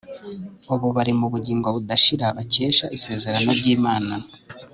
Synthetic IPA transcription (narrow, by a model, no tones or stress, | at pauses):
oβoβaɾimuβuɟiːŋɡoβudaʃiɾaβace̞ːʃaʔise̞ːze̞ɾano̞ɾɟiːmaːna